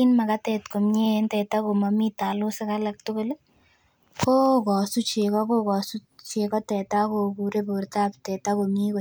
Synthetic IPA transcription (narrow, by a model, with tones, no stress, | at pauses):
inma˨kat̪ɛ˨tkomɲe˦ntɛ˨tako˨mamitalo˦se˦kalak̚tʊ˦ko˦l | fo˦kɔ˨su˦t͡ʃe˨kɔ˦ko˦kɔ˨sut͡ʃekɔ˦tɛ˨tako˧ku˨ɾepuɾtap̚tɛ˨takomɲi˦ko˨